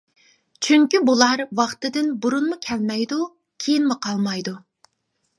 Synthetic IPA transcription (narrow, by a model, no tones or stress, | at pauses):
t͡ʃʰyŋkʲybulˠɑɾwɑχt̪ɨd̪ɪnbuɾunmukʲʰɛlmɛjd̪u | kʲʰejinmʊqʰɑlˠmɑjd̪u